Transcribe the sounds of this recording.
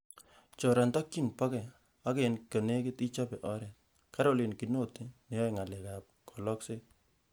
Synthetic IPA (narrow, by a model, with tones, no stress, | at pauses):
t͡ʃɔ˨ɾa˨nta˦kːi˦npa˦kɛ˨ | a˦ke˨nkə˨ne˦kɪ˦ti˦t͡ʃa˦pɛ˨ʔɔ˦ɾɛ˨t̚ | ka˦ɾo˦˨le˨nki˨no˦˨te˦ne˨jɔ˦jŋa˨lɛ˨ka˨p̚kʰɔ˨lɔ˦kse˦